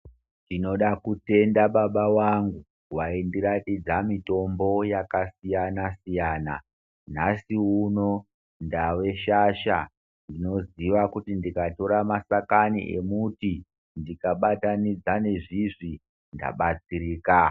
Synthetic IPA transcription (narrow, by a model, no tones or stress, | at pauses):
ndino̞ɗakute̞ndaɓaɓawaŋɡu | waindiɾatid͡zamito̞mbo̞jakasijanasijaːna̰ | n̤asiuno̞ | ndawe̞ʃaʃa̰ | ndino̞ziʋakutindikato̞ɾamasakanḭʔe̞muti | ndikaɓatanid͡zane̞ʐiʐi | nda̰ɓat͡siɾiːka